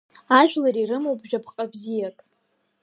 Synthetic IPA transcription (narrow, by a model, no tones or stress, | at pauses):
aʒᶣlaɾirɨmowbʒᶣapʰqʼabzijakʼ